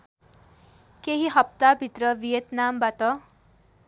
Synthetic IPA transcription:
keɦiɦʌp̚t̪abʱit̪ɾʌʋijet̪nambat̪ɔ

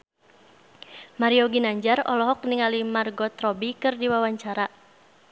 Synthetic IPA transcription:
maɾiɔɡinaɲd͡ʒarɔ̰lɔɦɔk̚niŋalimarɡɔt̪ɾɔbikɨrdiwawaɲt͡ʃaɾa

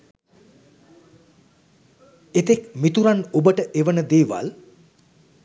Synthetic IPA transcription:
et̪ekmit̪uɾanobəʈəʔeʋənəd̪eːʋa̰l

